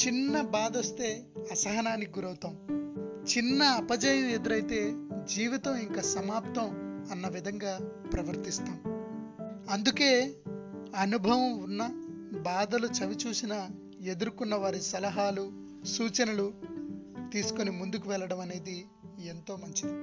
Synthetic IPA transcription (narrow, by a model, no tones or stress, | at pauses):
t͡ʃinːɐbaːd̪ɐst̪e̞ːɐsɐɦɐnaːnːiɡuɾɐwt̪ɐːmt͡ʃinːɐːpɐd͡ʒɐjɐme̞d̪uɾɐjt̪e̞ːd͡ʒiːʋit̪ɐmiŋkaːsɐmaːp̚t̪ɐmɐnːɐʋid̪ʱɐŋɡaːpɾɐʋɐɾt̪ist̪aːm | ɐnd̪uke̞ː | ɐnubʱɐʋɐmunːɐ | baːd̪ɐlut͡ʃɐʋit͡ʃuːsinɐ | e̞d̪uɾkunːɐʋaːɾisɐlɐɦaːlu | suːt͡ʃɐnɐlu | t̪iːsu̥konimund̪ukuʋɛlːɐɽɐmɐne̞ːd̪i | e̞nt̪o̞ːmɐɲt͡ʃid̪i